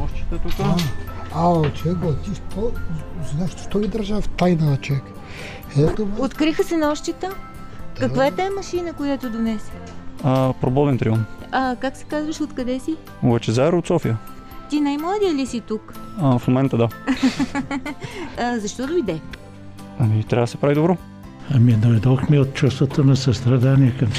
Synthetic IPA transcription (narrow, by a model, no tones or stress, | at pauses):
ɔʃt͡ʃi̥t̪t̪ukaat͡ʃoɛkɡot̪iʃt̪ɔznaʃt̪ʃt̪ɔvid̪əɾʒaft̪ajnat͡ʃovɛk | ɛt̪oot̪kɾixəsɛnɔʃt͡ʃit̪ə | kkɐkvaɛt̪aɛmɐʃinəkʊjat̪od̪onɛsə | əpɾobɔd̪ɛnt̪ɾiɔmɐkaksɛ̥kazvəʃot̪kɐd̪ɛsi | obat͡ʃɛzaɛɾot̪sɔfijə | t̪inajmlˠad̪iəlisit̪ukafmomɛnt̪əd̪a | zɐʃt̪ɔd̪oid̪ɛ | ɐmit̪ɾʲavd̪sɛ̥pɾavid̪obɾɔ | ɐmid̪ojd̪oxmiot̪̚t͡ʃust̪vət̪onɐsɐst̪ɾɐd̪aniɛkɐm